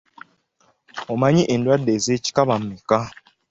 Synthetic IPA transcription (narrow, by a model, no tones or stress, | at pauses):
omaɲiʔendwadːezeci̥kaβam̩mika